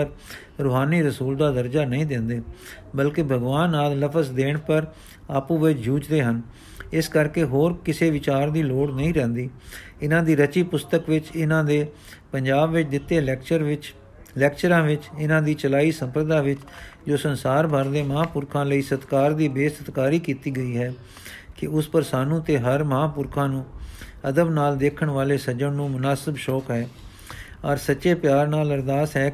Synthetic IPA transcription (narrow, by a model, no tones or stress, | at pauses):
əɾ | ɾʊɦaːniːɾəsuːld̪aːd̪əɾd͡ʒaːnəĩːd̪ɪ̃nd̪eː | bəlkeːbʱəɡʋaːnːaːlːəpʰəsd̪eːɳpəɾ | aːpũːʋɪt͡ʃd͡ʒuːd͡ʒd̪eːɦən | ɪskəɾkeːɦoːɾkɪseːʋɪt͡ʃaːɾd̪iːloːɽnəĩːɾɛ̃ːnd̪iː | ɪnãːd̪iːɾət͡ʃiːpʊst̪əkʋɪt͡ʃɪnãːd̪eː | pəɲd͡ʒaːbʋɪt͡ʃd̪ɪt̪ːeː | lɛːk̚t͡ʃəɾãːʋɪt͡ʃɪnãːd̪iːt͡ʃəlaːiːsəmpɾəd̪aːʋɪt͡ʃd͡ʒoːsənsaːɾbʱəɾd̪eːmɦãːpʊɾkʰãːləiːsət̪kaːɾd̪iːbeːsət̪kaːɾiːkiːt̪iːɡəiːɦɛː | kɪʊspəɾsaːnũːt̪eːɦəɾməɦãːpʊɾkʰãːnũːəd̪əbnaːld̪eːkʰəɳʋaːleːsəd͡ʒəɳnũːmʊnaːsəbʃɔːkɦɛː | ɔːɾsətːʃeːpɪjaːɾnaːləɾd̪aːsɦɛː